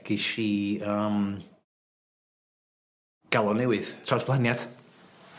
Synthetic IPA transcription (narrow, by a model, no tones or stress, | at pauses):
ɡiʃiəːm | ɡ̥alˠɔnɛwɪð̥tʰawsb̥lˠanjad̥